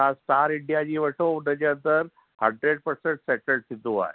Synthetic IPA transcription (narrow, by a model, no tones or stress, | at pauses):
astaɾiɳɖijad͡ʑiːʋəʂouɖ̪əd͡ʑeənt̪əɾ | həɳɖɾeɖ̚pəɾseɳʈsɛʈəɭɖt̪ʰit̪ːua̰e